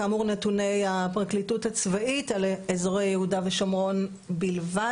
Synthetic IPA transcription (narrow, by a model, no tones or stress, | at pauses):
aːmuʁnetune̞japʁaklituthat͡svaitalezoʁejjehudaveʃomʁo̞n | bilva